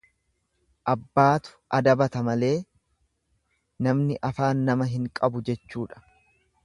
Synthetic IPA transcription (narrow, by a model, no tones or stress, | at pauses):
ʔɐbːaːt̪ʊ̥ʔɐd̪ɐbɐt̪ɐmɐle̞ː | nɐmnɪʔɐfaːnːɐmɐɦɪŋkʼɐbʊd͡ʒɛt͡ʃːuːᶑɐ̥